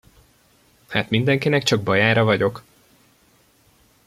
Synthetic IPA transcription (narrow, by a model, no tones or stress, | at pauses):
haːt̪mind̪ɛŋkinɛkt͡ʃɒɡbɒjaːɾɒvɒɟo̞k